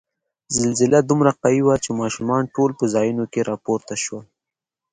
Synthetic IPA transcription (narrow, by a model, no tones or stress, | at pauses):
zɪlzɪlad̪umɾaqawiwat͡ʃemɑʃumɑnʈolpəzɑjunokeɾɑpoɾt̪aʃwal